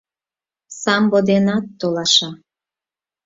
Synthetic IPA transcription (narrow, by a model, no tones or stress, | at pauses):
sɑmbod̪enɑt̪ːolɑʃɑ